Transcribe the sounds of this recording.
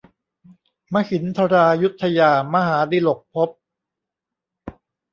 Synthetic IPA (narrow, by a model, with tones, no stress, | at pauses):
ma˦˥hi˨˩˦nt̪ʰa˧ɾaː˧ju˦˥t̪ʰːa˧jaː˧ma˦˧ɦaː˩˦diː˧lo˨˩k̚pʰo˦˥p̚